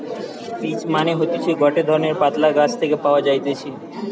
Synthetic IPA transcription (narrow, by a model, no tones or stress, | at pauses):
fit͡ɕmaneɦot̪et͡ɕʰiɡɔʈed̪ʱɔɾoneɾpat̪laɡat͡ɕʰt̪ʰekepaoad͡ʑajt̪et͡ɕʰi